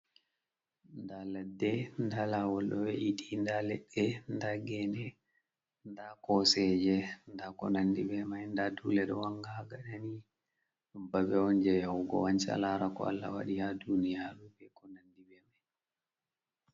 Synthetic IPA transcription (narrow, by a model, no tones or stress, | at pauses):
ndalɛdːɛndalawɔlɗɔwɛʔiɗindalɛɗːɛndaɡɛnɛ | ndakɔsɛd͡ʒɛndakɔ̰nandibɛmajndadulɛɗɔwaŋɡaɡaɗani | ɗumbabɛɔnd͡ʒɛjawɡɔ̰want͡ʃa̰laɾakɔ̰a̰lːa̰wa̰ɗihadunijaɾubɛkɔnandibɛmaj